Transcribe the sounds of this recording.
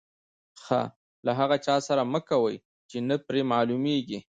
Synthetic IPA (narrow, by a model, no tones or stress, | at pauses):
xa̰ | laɦaɣat͡ʃɑsaɾaməkawəj | t͡ʃenapɾemɑlumeɡi